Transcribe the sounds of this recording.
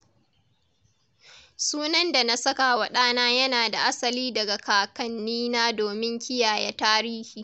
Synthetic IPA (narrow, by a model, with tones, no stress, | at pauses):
suː˦nɐ˦nda˨na˦sɐ˦ka˨wɐ˨ɗaː˦naː˦jɐ˦naː˨da˨ʔa˦sɐ˨liː˦dɐ˨ɡa˨kaː˨kɐ˦nːiː˦naː˦doː˨mɪ˦ŋkʲɪ˦jaː˨jɛ˦taː˦ɾiː˦hiː˨